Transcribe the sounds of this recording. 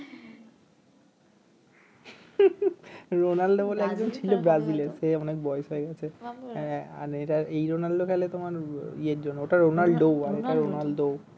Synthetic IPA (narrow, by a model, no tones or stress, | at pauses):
ɾonalɖoboleɛkd͡ʑont͡ɕʰilobɾazileɾseɔnek̚bɔeoʃeeɡɛt͡ɕʰe | a̰ɾeʈaejɾonalɖokʰɛlet̪omaɾieɾd͡ʑonːooʈaɾonalɖɖoaɾeʈaɾonalɖo